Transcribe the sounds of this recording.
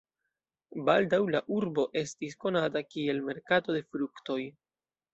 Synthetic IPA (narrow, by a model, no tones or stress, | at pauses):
baldawlaʔuɾbo̞ʔe̞stisko̞nat̬akie̞lme̞ɾkato̞de̞fɾukto̞j